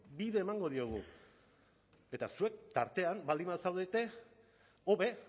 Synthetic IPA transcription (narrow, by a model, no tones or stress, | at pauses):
biðe̞ːmaŋɡo̞ð̞io̞ɣ̞ṵ | e̞t̪asue̞k̚t̪aɾt̪e̞ambald̪imasawðe̞t̪e̞ | o̞βe̞